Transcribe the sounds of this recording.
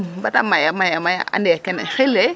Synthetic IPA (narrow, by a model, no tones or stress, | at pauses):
batamajamajamaja̰ʔa̰ndɛakɛnɪ̰xɪlɛ